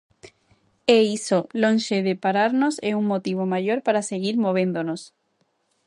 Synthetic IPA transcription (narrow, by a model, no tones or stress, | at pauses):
eisolõnʃeðepaɾaɾnoseuŋmot̪iβ̞omaʎoɾpaɾaseɣiɾmoβ̞end̪onos